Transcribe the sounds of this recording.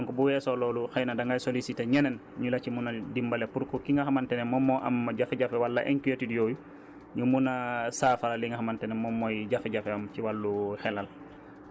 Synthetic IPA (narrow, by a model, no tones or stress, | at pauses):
dɔŋkɔbuwɛsɔlɔːluxajnadaŋɡajsolisitaɲɛnɛnɲulacimunadimbalepuɾkɔkiŋɡaxamantɛnɛmɔmːɔʔa̰mːaɟafɛɟafɛwalːa̰ʔɛŋkijotidijoju | ɲumunasaːfalaliŋɡahamantɛnɛmɔmːɔjɟafɛɟafeamciwalːuxɛlal